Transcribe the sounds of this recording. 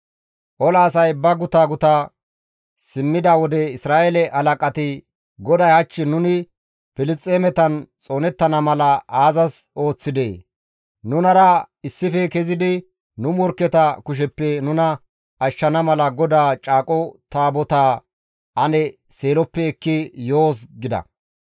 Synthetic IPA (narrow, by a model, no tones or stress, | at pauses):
ʔɔlɐːsɐjbɐɡʊt̪aːɡʊt̪a | sɪmːɪd̪ɐwɔd̪ɛɪsɾaːʔelɛʔɐlɐkʼɐt̪ɪ | ɡɔd̪ɐjɐt͡ʃːɪnʊnɪ | fɪlɪst͡stʼːeːmɛt̪ɐnt͡sʼo̞ːnɛt̪ːɐnɐmɐlɐʔaːzɐso̞ːt͡sːɪd̪eː | nʊnɐɾɐɪsːɪfɛkɛzɪd̪ɪ | nʊmɔɾkɛt̪ɐkʊʃ̬ɛpːɛnʊnɐ | ɐʃːɐnɐmɐlɐɡɔd̪aːt͡ʃʼaːkʼɔt̪aːbɔt̪aː | ʔɐnɛ | seːlɔpːɛɛkːɪjoːsɡɪd̪ɐ̰